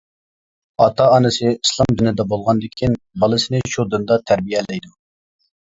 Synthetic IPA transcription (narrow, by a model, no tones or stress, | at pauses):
ɑt̪ʰɑɑnɨsɨislˠɑmd̪ynɪd̪ɛbolˠʁɑnd̪ɪkʲʰin | bɑlˠɨsɪnɪʃud̪ɨnd̪ɑt̪ʰæɾbijɛlɛjd̪u